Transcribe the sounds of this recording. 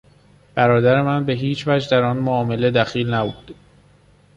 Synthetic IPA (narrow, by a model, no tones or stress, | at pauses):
b̥æɾɒːd̪æɾe̞mænbe̞ɦiːt͡ʃʰvæd͡ʒd̪æɾɒːnmoɒːme̞le̞d̪æxiːlnæbuːd̪̥